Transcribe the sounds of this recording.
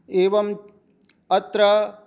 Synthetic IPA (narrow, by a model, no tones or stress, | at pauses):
eːʋɐm | ɐt̪ɾɐ